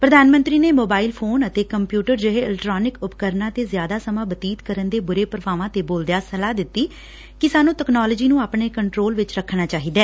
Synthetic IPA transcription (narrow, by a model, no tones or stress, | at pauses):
pɾəd̪ʱaːnmə̃nt̪ɾiːneːmoːbaːilpʰoːnət̪eːkəmpjuːʈəɾd͡ʒəɦeːɪlkʈɾaːnɪkʊpkəɾnãːt̪eːzjaːd̪aːsəmãːbət̪iːt̪kəɾənd̪eːbʊɾeːpɾəʋaːʋãːt̪eːboːld̪jaːsəlaːd̪ɪt̪ːiː | kɪsaːnũːʈəknaːləd͡ʒiːnũːaːpɳeːkəɳʈɾoːlʋɪt͡ʃɾəkʰːnaːt͡ʃaːɦiːd̪ɛː